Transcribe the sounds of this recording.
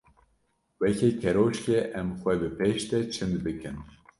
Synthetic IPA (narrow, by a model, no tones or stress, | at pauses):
wɛcekʰɛɾoːt͡ʃkʲeʔɛmxʷɛbɨpeʃt̪ɛt͡ʃʰɨnd̪bɨkɨn